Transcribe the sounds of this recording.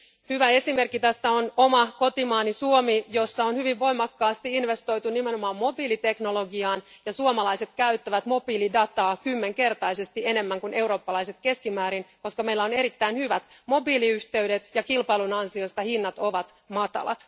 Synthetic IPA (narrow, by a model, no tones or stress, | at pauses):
hyʋæesime̞rkːit̪æst̪æono̞mɑko̞t̪imɑːnisuomijo̞sːɑonhyʋiʋʋo̞jmɑkːɑːst̪iinʋe̞st̪o̞jt̪unime̞no̞mɑːmmo̞biːlit̪e̞kno̞lo̞ɡiɑːnjɑsuomɑlɑijse̞t̪kæyt̪ːæʋæt̪mo̞biːlidɑt̪ɑːkymːe̞ŋke̞rt̪ɑjse̞st̪ie̞ne̞mːæŋkunʔe̞wɾo̞ːpːɑlɑise̞t̪ke̞skimæːɾinko̞skɑme̞ilːæo̞ne̞ɾit̪ːæinhyʋæt̪mo̞biːliyht̪e̞yde̞t̪jɑkilpɑilunɑnsio̞st̪ɑhinːɑt̪o̞ʋɑt̪ | mɑt̪ɑ̰lɑ̰t̪